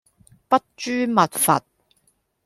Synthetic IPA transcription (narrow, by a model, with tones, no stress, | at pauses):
pɐ˥t̚t͡ʃyː˥mɐ˨t̚fɐ̰˨t̚